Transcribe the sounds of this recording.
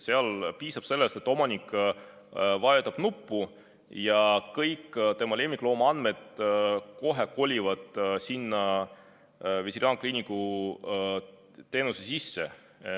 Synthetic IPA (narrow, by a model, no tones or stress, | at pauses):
seɑlpiːsɑb̥se̞lːest̪e̞t̪ːˑomɑnʲikˑ | vɑjet̪ɑb̥nupːˑu | jɑkɤjkːt̪e̞mɑle̞ːmiklo̞ːmɑɑnd̪̥me̞d̪̥̚ko̞ɦeko̞lʲivɑd̪̥sinːɑ | vesiɾɑːŋkliniku | t̪e̞ːnusesisːḛ